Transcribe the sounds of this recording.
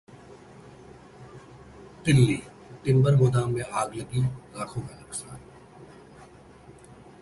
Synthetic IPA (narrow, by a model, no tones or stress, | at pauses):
t̪ɪlːiː | t̪ɪ̃mbəɾɡʊd̪aːmːẽʔaːɡləɡiːlaːkʰõːmẽlɐksaːn